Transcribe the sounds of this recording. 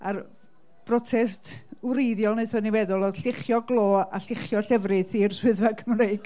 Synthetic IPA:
ar | b̥rɔtʰɛstwɾejðjɔlˠnesɔnivɛðʊlˠɔd̥ɬɪχjɔɡlˠoːaɬɪχjɔɬɛvrɨθirswɪðvakʰəmrejɡ̥

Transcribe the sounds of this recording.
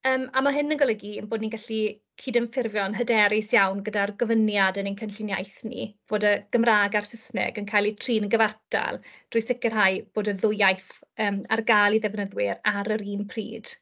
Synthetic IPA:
əːmamaɦɪnənɡɔləɡiənboːdniɡaɬi | kʰiːdənfɪrvjɔnɦədɛɾɪsjawnɡədarɡɔvənjadənənkʰənɬɪnja̰jθnḭv̥oːdəɡ̥əmraːɡarsɪsnɛ̰ɡənkʰajlˠitʰriːnəɡəvarta̰lˠd̥rʊjsɪkɪrɦajb̥oːdəðʊjajθəːma̰rɡalˠiðɛvnəðwɪɾaɾəɾiːnpʰrḭːd̥

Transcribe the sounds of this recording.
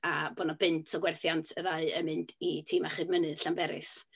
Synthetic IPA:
abɔnɔbɨntʰɔɡwɛrθjantʰəðaɨəmɨnditʰiːmaχɨdmənɨðɬanmbɛɾɨ̰s

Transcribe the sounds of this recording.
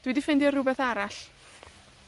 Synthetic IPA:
d̥wɪdifɪndiərʊbɛθaɾaɬ

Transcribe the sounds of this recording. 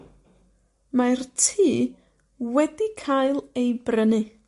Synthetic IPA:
martʰiː | wɛdikʰajlˠejbrənɨ

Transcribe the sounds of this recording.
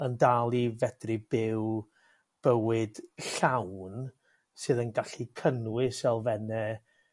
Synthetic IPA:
əndalˠivɛdribɪw | b̥əwɨd̥ɬawn | sɨðənɡaɬikʰənwɪsɛlˠvɛnɛ

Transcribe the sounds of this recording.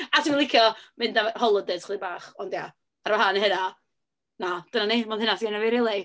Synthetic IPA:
atʰinlˠɪkʰjɔmɪndahɔlˠədɛdʰχlˠibaːχɔndja | aɾaɦanɦəna | nad̥ənanimanhənasɡanavɪɾɪlˠɛ

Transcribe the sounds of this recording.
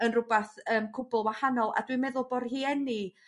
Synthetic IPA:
ənrʊbaθəːmkʰʊbʊlˠwahanɔlˠa̰dwimɛðʊlˠbɔrhiːɛni

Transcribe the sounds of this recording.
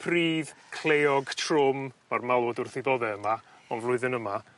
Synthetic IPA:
pʰriːðkʰl̥ˠejɔɡtʰrʊmːarmalˠɔdʊrθɪðɔðɛəma | ɔnvlˠʊɨðɨnəma

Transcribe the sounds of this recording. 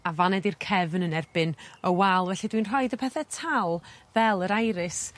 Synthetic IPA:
avanɛdirkʰɛvnənɛrb̥ɨnəwɛlˠvɛɬidwinr̥ɔɨdəpʰɛθɛtʰalˠvɛlˠəɾajɾɨs

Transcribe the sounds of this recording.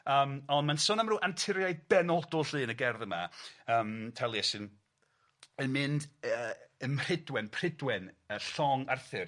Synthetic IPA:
əːmɔndmansʊnamruːʔantʰɪɾjajdb̥ɛnɔlˠdʊɬɨːnəɡɛrðəma̰əːmtʰɛlˠiɛsɨn | ənmɪndəənmr̥ɪdwɛnpʰr̥ɪdwɛnəɬɔŋarθɨr

